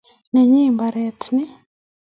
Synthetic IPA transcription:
neɲiːmbaɾeːtʰni

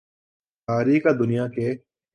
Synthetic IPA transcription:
aːɾiːkad̪ʊnɪjaːkeː

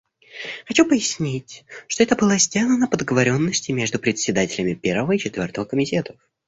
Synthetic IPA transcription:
xɐt͡ɕupəjɪsʲnʲitʲʂt̪oɛt̪əbɨlˠazʲdʲalˠənəpəd̪əɡəvɐɾʲo̞nːəsʲtʲɪmʲe̞ʐd̪ʊpɾʲɪt̪ʲsʲɪd̪atʲɪlʲɪmʲɪpʲe̞rvəvəit͡ɕɪt̪vʲo̞rt̪əvəkəmʲɪtʲe̞t̪ə̥f

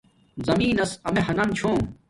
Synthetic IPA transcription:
zɐmiːnɐsɐmeɦɐnɐmt͡ɕʰoː

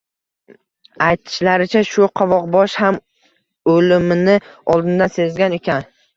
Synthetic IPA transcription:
ajt̪ʰɪ̥ʃlaɾɪt͡ʃʰaʃʊqʰɒvɒqbɒʃham | olɪmɪnɪɒlˠd̪ɪnd̪anse̞zɡʲane̞kʲʰan

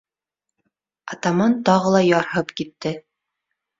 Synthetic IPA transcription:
ɑt̪ɑmɑnt̪ɑʁɤ̆lˠɑjɑɾhɤpkit̪ːɘ

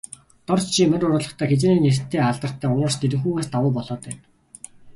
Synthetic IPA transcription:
t̪ɔrt͡ɕt͡ɕʰimæɾʲʊɾʊːɮə̆χt̪ʰæːxet͡ɕeːniːnert̪ʰːeːaɮt̪ə̆r̥t̪ʰːæːʊɾə̆rst̪ʰeɾɘ̆kxuːɣaːst̪awʊːpɔɮɔːt̪æːn

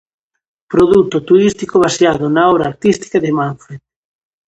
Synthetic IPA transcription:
pɾoðut̪ʊt̪uɾist̪ikoβ̞asjaðʊnaɔβɾaːɾt̪ist̪i̥kaðɪmaɱfe

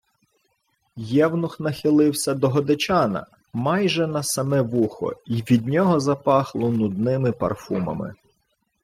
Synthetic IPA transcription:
jɛwnʊxnɐxɪlˠɪwsʲɐd̪ɔɦɔd̪ɪt͡ʃɑnɐ̰ | mɑjʒɛnɐsɐmɛʋuxɔ̰iʋʲid̪̚ʲnʲɔɦɔzɐpɑxlˠɔnʊd̪nɪmɪpɐ̰rfumɐ̰mɪ̰

